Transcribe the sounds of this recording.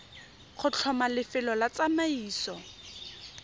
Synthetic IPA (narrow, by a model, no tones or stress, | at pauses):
χʊt͡ɬʰɔmalɪfɪlɔlat͡samaiːsɔ